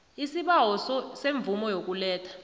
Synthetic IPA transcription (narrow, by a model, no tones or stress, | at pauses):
isiɓawɔsɔseɱb̪vumɔjok̬ulɛːtʰḁ